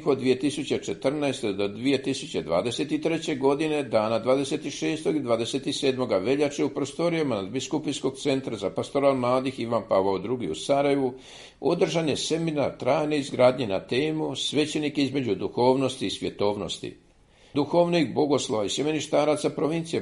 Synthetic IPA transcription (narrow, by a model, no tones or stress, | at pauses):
kod̪ːʋije̞t̪isut͡ɕet͡ʃe̞t̪r̩naest̪ed̪od̪ʋije̞t̪isut͡ɕe̞d̪ʋa̰ːd̪e̞se̞t̪it̪ɾe̞t͡ɕe̞ɡo̞d̪ine̞d̪aːnad̪ʋaːd̪e̞se̞t̪iʃe̞ːst̪o̞ɡid̪ʋaːd̪e̞se̞t̪iseːd̪mo̞ɡaʋe̞ʎat͡ʃeupɾo̞st̪o̞ɾijamanad̪biskupisko̞ɡ̚t̪se̞nt̪ɾazapast̪o̞ɾalmlˠaːd̪ixiʋanpaʋaod̪ɾuɡiṵsaɾaje̞ʋu | o̞̰d̪r̩ʒanjese̞mina̰ɾt̪ɾaːjne̞izɡɾaːd̪ɲena̰t̪e̞ːmusʋe̞t͡ɕe̞nikizme̞d͡ʑud̪uxo̞ːʋno̞st̪iːsʋje̞̰t̪o̞ːʋno̞̰st̪ḭ | d̪uxo̞ːʋnikbo̞ɡo̞slˠo̞ʋaiseminiʃt̪aːɾat̪sapɾo̞ʋint̪sije